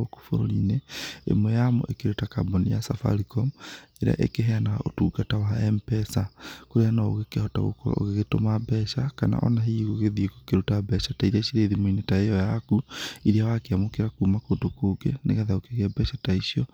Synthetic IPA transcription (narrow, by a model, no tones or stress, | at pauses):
oko̥foɾoɾineḛmwɛjamɔ̰ʔekeɾotaka̰bɔnija̰safa̰ɾikɔmeɾ̰a̰ʔḛkeɦɛanao̰tuːɡatawaɛmpɛsakoɾeanao̰ɣekehɔta̰ɣo̰koɾa̰o̰ɣeɣeto̰mabɛʃakana̰ʔɔ̰naɦiɣoɣeðiekokeɾotabɛʃataiɾiaʃiɾeðimoinetaejɔjakuiɾiawakeamokeɾakumakodokoːɡenḛɣaðaokeɣɛbɛʃataiʃiɔ